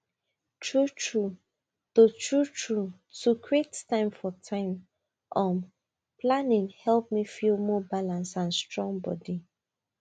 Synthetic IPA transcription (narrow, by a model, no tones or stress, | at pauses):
tʰɹutɹu | totʰɹutʰɹu | tukʰɹettãɪ̃mfɔtʰãɪ̃m | ʔɔ̃m | planĩŋhɛlp̚mifilˠmɔbalãnsãnstɹɔ̃ŋbɔ̰di